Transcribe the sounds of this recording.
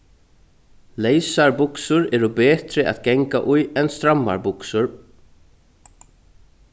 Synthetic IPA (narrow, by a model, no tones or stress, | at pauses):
lejsaɹbʊksʊɾɛɾʊbɛːt̪ɾɪa̰ðɡɛŋkaʔʊjɛnst̪ɾamːa̰ɹbʊksʊɾ